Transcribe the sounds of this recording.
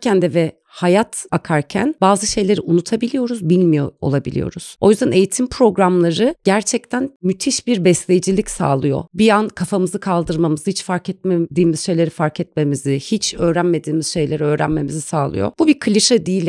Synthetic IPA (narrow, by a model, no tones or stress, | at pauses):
cʰænd̪ɛvɛ | hajat̪akʰaɾcʰæ̰nbaːzɯʃe̞jlʲe̞ɾiʔunut̪ʰabilʲijo̞ɾuzbilʲmijo̞̰o̰lˠabilʲḭjo̞̰ɾuz̥o̞̰jyzd̪ænʔe̞jit̪ʰimpʰɾo̞ɡɾamlˠaɾɯɟ̥æɾt͡ʃʰɛc̚t̪ʰænmyt̪ʰiʃbiɾbɛslʲejd͡ʒilʲicsa̰ːlˠɯjo̞̰bijankʰafamɯzɯkʰalˠd̪ɯɾmamɯzɯhit͡ʃfaɾkɛt̪̚med̪iːmiz̥ʃe̞jlʲe̞ɾifaɾkʰɛt̪̚me̞mizihit͡ʃʰø̞ːɾænme̞d̪iːmiz̥ʃe̞jlʲeɾiø̞ːɾæ̰nme̞mizisaːlˠɯ̰jo̞̰b̥ubikʰɯlʲiʃad̪iːlʲ